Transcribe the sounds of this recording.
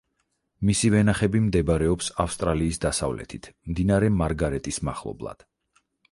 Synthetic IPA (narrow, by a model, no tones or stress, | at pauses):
misivɛnaχɛbimd̪ɛbaɾɛɔpsafst̪ʼɾaliːsd̪asavlɛ̰t̪ʰit̪ʰmd̪inaɾɛmaɾɡaɾɛt̪ʼisma̰χlˠɔ̰blˠa̰d̪̥